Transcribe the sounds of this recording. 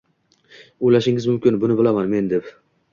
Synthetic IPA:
ojlaʃɪŋɪzmʊmkʲɪnbʊnɪbɪlamanme̞nd̪e̞p

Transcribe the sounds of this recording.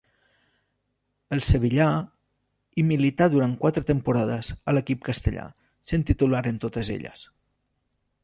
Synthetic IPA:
əlˠsəβ̞iʎa | imilit̪aðuɾaŋkwat̪ɾət̪əmpuɾaðəzələkip̚kəst̪əʎa̰ | sent̪it̪ulaɾənt̪ot̪əzḛʎə̰s

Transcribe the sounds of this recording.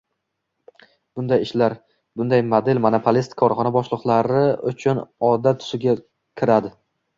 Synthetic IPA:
b̥ʊnd̪ajɪʃlaɾ | b̥ʊnd̪ajmod̪e̞lmonopʰolist̪kʰɒɾχɒnabɒʃlˠɨqlˠaɾɪʊ̰t͡ʃʰʊnɒd̪at̪ʰʊ̥ʃɪɡʲa | kʲʰɪɾad̪ɪ

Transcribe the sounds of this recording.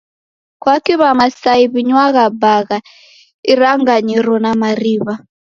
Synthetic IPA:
kwakiβamasaiβiɲwaɣabaɣa | iraŋɡaɲiɾɔnamariːβa

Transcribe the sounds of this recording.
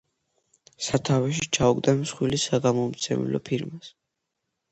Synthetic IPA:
sat̪ʰavɛʃ̬it͡ʃʰauɡd̪amsχwilisaɡamɔmt̪sʰɛ̰mḭlɔ̰pʰiɾmas

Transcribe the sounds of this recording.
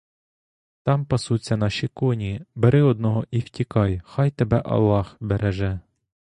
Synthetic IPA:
t̪ɑmpɐsut͡sʲːɐnɑʃʲikɔnʲibeɾɪɔd̪̚nɔɦɔʔiwtʲikɑjxɑjt̪ebɛʔɐ̰lˠːɑhbeɾeʒɛ

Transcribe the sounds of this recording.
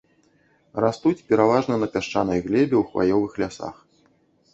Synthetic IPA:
rast̪ut͡sʲpʲɛɾavaʐnɐnɐpʲaʂt͡ʂan̪ɐjɣlʲɛbʲɛwxva̰jɔvɨxlʲasa̰x

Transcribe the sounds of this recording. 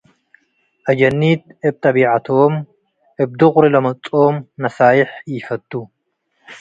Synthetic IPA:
ʔɐd͡ʒɐnːit̪ʔɨb̚t̪ʰɐbiʕat̪ʰom | ʔɨb̚d̪ɨχʼɾilɐmɐt͡sʼomnɐsaːjɪħjɪfɐt̪ʼːu

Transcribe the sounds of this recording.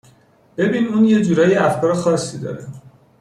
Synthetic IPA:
b̥e̞biːnuːnje̞d͡ʒuːɾɒːjeæfkʰɒːɾexɒːsːiːd̪ɒ̰ːɾe

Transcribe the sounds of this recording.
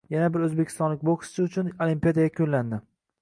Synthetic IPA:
janabɪɾɵzbekʲʰɪst̪ɒnlɪk̚ʲbokɪ̥sɪʊt͡ʃʰʊnolimpijad̪ajakʲʰolːand̪ɪ

